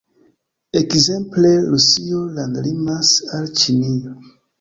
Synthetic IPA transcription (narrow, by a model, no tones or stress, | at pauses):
ekze̞mple̞ɾusiolandlimasalt͡ʃinio